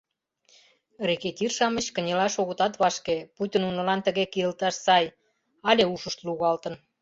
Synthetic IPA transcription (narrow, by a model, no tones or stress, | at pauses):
reket̪ʲirʃɑmə̆t͡ɕkə̆nʲelɑʃoɣə̆t̪ɑt̪βɑʃkeput̪ʲinunŏlɑnt̪əɣekiəlt̪ɑʃsɑj | ɑlʲeuʃəʃt̪luɣɑlt̪ə̆n